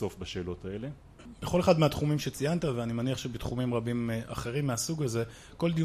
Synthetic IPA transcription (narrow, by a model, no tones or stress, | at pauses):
o̞fbaʃe̞ːlo̞t̪aele | b̥eχo̞leχad̪meat̪χumimʃet͡sijant̪aveanimaniaχʃebet̪χumimʁabimʔa̰χe̞ʁimːeasuɡaze̞ | ko̞ld̪i